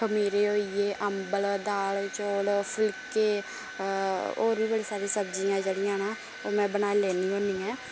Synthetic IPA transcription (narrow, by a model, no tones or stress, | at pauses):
kʰəmiːɾeːoːieːʔəmbəld̪aːlt͡ʃoːlpʰɪlkeː | o̰ːɾbiːbəɽeːsaːɾĩːsəbd͡ʒiːãɛd͡ʒeɽijãːnaː | oːmɛ̃ːbənaːilɛːniːõːniːɛ̃ː